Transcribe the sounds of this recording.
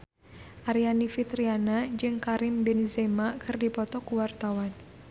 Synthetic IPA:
ʔaɾianifit̪ɾianad͡ʒɨŋkaɾɪmbɛnezemakɨrdipɔt̪ɔkuwart̪awan

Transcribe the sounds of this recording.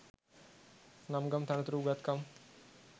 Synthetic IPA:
nɐmɡɐmt̪ʰɐnɐt̪ɾuːɡɐt̪kɐm

